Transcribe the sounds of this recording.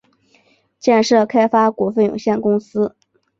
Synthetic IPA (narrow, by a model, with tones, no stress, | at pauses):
t͡ɕjɛ˥˧nʂɤ˥˩kʰa˥ɪfa˥kwɔ˧˥fə˥˩njʊ̰˨˩ŋɕjɛ˥˩nkʊ˥ŋsɹ̩˥